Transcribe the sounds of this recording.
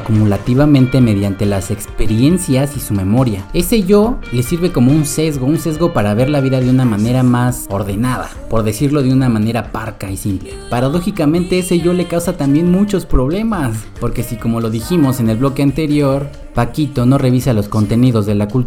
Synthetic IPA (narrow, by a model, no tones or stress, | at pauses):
kumulat̪iβamẽ̞nt̪e̞me̞ðjant̪e̞lase̞kspe̞ɾje̞nsjasisume̞mo̞ɾjae̞se̞ʝo̞le̞siɾβe̞ko̞mo̞unse̞zɣo̞unse̞zɣo̞paɾaβe̞ɾlaβiðaðeunamãne̞ɾamaso̞ɾðe̞naða̰po̞ɾðe̞siɾlo̞ðeunamãne̞ɾapaɾkaisimple̞paɾað̞o̞xikamẽ̞nt̪e̞eseʝo̞le̞kawsat̪ambje̞nmut͡ʃo̞spɾo̞βle̞maspo̞ɾke̞siko̞mo̞lo̞ðiximo̞se̞ne̞lβlo̞ke̞ant̪e̞ɾjo̞ɾ | pakit̪o̞no̞re̞β̞isalo̞sko̞nt̪e̞niðo̞zðe̞lakult